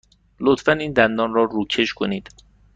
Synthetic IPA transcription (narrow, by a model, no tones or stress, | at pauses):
lot̪fæniːnd̪ænd̪ɒːnrɒːruːcʰe̞ʃkʰoniːd̪̥